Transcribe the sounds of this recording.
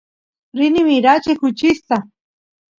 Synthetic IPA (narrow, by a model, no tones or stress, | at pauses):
ɾinimiɾat͡ʃekut͡ʃist̪a